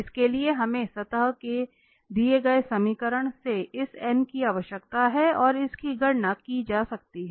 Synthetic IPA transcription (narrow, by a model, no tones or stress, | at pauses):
ɪskelieɦɐmẽsɐt̪əɦke | d̪ieɡɐesɐmiːkəɾəɽ̃seɪsɛːnkiaːʋəʃjəkt̪aɦɛɔːɾɪskiɡɐɽnakid͡ʒaːsɐk̚t̪iɦɛ